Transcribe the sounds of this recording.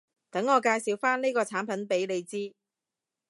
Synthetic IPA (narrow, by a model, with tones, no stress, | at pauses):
t̪ɐ˨˥ŋːɔː˨˧kaː˧jsiː˨˧wfaː˥nliː˥jkɔː˧t͡sʰaː˨˥npʰɐ˨˥npe˨˥jle˨˧jt͡siː˥